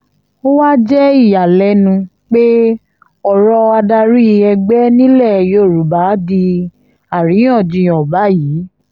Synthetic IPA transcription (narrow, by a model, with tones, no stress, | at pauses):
o˦wa˦d͡ʒɛ˦i˦˨ja˨lɛ˨˦nũ˧ | k͡pe˦ | ɔ˦˨ɾɔ˧a˧da˧ɾi˦˧˨ɛ˧ɡ͡bɛ˦nĩ˦lɛ˦˨jo˦˨ɾu˨ba˨˦di˧ | a˨ɾĩ˨˦ɔ̃˦˨d͡ʒĩ˧˨ɔ˨ba˨˦jiː˨˦